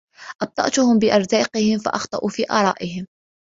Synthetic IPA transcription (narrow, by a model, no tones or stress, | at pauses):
ʔɑb̚t̪ˤɑ̰ʔt̪ʊhʊmbɪʔɑɾˤzɑːqɪhɪmfa̰ʔɑxt̪ˤɑʔufiːʔɑ̰ːɾˤɑːʔɪhɪm